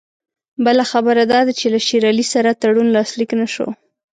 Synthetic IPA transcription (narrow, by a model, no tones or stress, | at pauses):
bəlaxabəɾad̪ɑd̪at͡ʃelaʃiɾɑlisaɾat̪aɽunlɑsliknaʃo̰